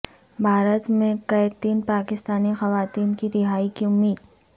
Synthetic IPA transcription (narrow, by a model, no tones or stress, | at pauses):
bʱaːɾət̪mẽkɐjt̪iːnpaːkɪst̪aːnixɐʋaːt̪iːnkiɾɪɦaːikiʊmːiːd̪